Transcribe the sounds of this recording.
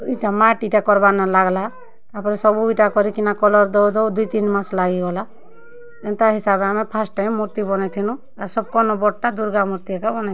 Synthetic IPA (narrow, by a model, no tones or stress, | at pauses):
iʈamaʈiʈakɔɾbanalaɡla | t̪apɔɾɛsɔbuʈakɔɾikinakɔlɔɾd̪ɔd̪ɔd̪uit̪inmãslaɡiɡɔla | ɛnt̪aɦisabeamɛpʰasʈãmuɾt̪ibɔnɛt̪ʰinũ | aɾsɔb̚kɔnɔbɔʈːad̪uɾɡamuɾt̪iɛkabɔnɛ